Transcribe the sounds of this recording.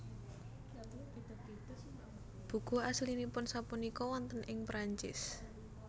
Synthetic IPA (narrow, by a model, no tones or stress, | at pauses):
b̥ṳɡ̥o̤aslinipʊnsapunikɔwɔnt̪ənʔɪŋpɾaɲt͡ʃɪ̰s